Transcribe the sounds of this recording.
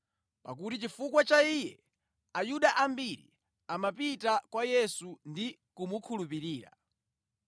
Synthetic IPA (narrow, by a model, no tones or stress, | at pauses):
pa̰k̬utit͡ʃifukwat͡ʃaijɛ | ajuɗaʔambiɾḭ | amapitakwajɛsundi | kumukʰulupiɾiːɾa̰